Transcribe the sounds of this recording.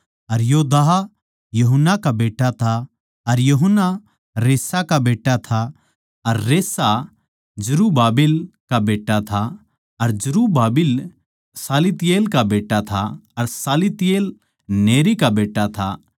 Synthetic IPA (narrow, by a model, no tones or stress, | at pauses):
ɐɾjoːd̪aɦa | jɐɦənːakabeːʈːat̪ʰa | ɐɾjɐɦənːa | ɾeːsakabeːʈːat̪ʰa | ɐɾːeːsa | d͡ʒʊɾubaːbɪlkabeːʈːat̪ʰa | ɐɾd͡ʒʊɾubaːbɪl | saːlit̪ɪjeːlkabeːʈːat̪ʰaɐɾsaːlit̪ɪjeːl | neːɾikabeːʈːat̪ʰa